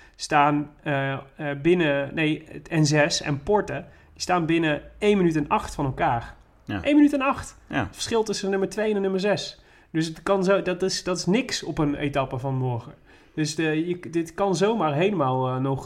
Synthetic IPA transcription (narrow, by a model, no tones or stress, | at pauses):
staːnəbɪnənejətɛnzɛsɛ̰npɔɹtə | distaːnbɪnəejnmənytɛnɑχtfɑnɛlˠkaːr | ʔejnmənytɛnɑχtətfə̥ɹsχɪlˠtɵsənɵməɹtʋejɛnɛnːɵməɹzɛs | d̥ɵsətkɑnzodtɪsdɑtɪsnɪksɔpənḛjtɑpəvɑnmɔɹχə | d̥ɵsjədɪtkɑnzowmaːɹɦejləmaːlˠnɔχ